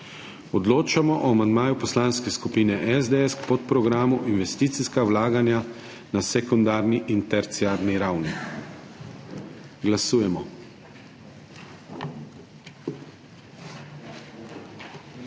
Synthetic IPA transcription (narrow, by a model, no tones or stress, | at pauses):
ɔd̪loːt͡ʃamɔʔɔamand̪maːjupɔslanskɛskupiːnɛʔɛzd̪eɛskpɔt̪pɾɔɡɾaːmuʔinʋɛst̪iːt̪siskawlaːɡanja | nasɛkund̪aːɾniʔint̪ɛɾt̪siaːɾniɾawni | ɡlasuːjɛmɔ